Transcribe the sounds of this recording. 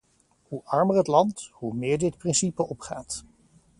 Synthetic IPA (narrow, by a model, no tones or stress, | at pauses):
huʔɑɹmərətlɑnthumɪːɹdɪtprɪnsipəɔpχaːt